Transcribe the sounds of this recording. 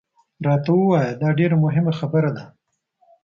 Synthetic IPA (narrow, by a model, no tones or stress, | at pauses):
ɾɑt̪awəwɑjad̪ɑɖeɾamʊɦɪmaxabəɾad̪a